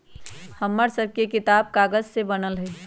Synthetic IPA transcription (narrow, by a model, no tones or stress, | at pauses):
həmːəɾsəb̚ʱkekɪt̪aːb̚kaːɡəzsebənəlɦɛ